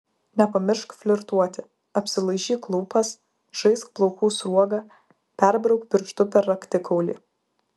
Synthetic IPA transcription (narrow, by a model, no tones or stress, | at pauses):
nʲɛpɐmʲɪɾʃkfʲlʲɪɾt̪uɔt̪ʲɪ | ɐpʲsʲɪlˠɐɪʒʲiːklˠuːpɐs | ʒ̥ɐɪsk̚plˠɔʊkuːsɾuɔɡɐ | pʲɛɾbɾɐʊkpʲɪɾʲʃt̪ʊpʲɛɾɐkt̪ʲɪkʰɒʊlʲḭː